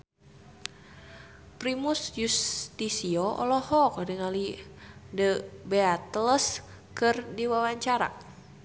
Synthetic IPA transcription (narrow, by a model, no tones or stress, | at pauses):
pɾimusjust̪isiɔʔɔ̰lɔhɔkdəŋalidəbeat̪ləs | kɨrdiwawaɲt͡ʃaɾa̰